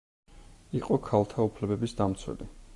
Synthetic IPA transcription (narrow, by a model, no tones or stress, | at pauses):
iqʼɔkʰalˠt̪ʰaupʰlɛbɛbisd̪amt̪sʰwɛ̰li